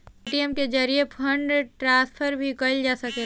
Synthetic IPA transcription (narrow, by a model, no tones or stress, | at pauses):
ʈiəmked͡ʒɐɾiepʰə̃ɳɖʈɾãːspʰəɾbʱikɐld͡ʒaːsɐkẽ